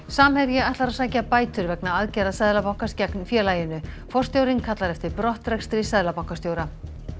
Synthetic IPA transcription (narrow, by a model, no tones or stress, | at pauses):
saːmhɛɾjɪaht̪laɾaðsaːjcapaːjt̪ʏɾvɛknaaðcɛjðasaðlapawŋ̥kascaknfjɛːlaːjɪnːʏ | fɔr̥st̪jowɾiŋkʰat̪laɾɛft̪ɪɾpɾɔht̪rɛkst̪ɾɪsaðlapawŋ̥kasjowɾa